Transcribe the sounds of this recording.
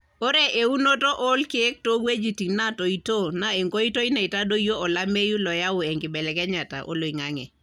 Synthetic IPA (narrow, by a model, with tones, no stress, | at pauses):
o˦ɾe˦ʔe˨u˦no˦to˦ʔo˦lke˦k̚to˦we˦d͡ʒi˨ti˨ŋna˦˨to˨i˦to˦˨na˦e˨ŋɡo˦i˦to˦i˦na˨i˨ta˦do˦jo˦ɔ˨la˦me˦ju˦lɔ˨ja˦ʊ˨ɛ˨ŋɡɪ˨bɛ˨lɛ˨kɛ˦ɲa˨ta̰˨ʔo̰˦lo˨i˨ŋa˦ŋɛ̰˨